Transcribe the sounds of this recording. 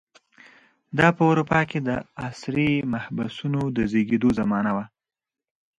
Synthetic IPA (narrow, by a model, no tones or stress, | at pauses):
d̪ɑpəʊɾupɑked̪əasɾimahbasunod̪əzeɡed̪ozamɑnawa